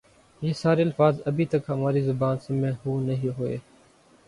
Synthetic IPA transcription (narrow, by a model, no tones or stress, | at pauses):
jeːsaːɾeːəlfaːzəbʱiːt̪əkɦəmaːɾiːzʊbaːnsəmẽːɦuːnəɦiːɦʊḛː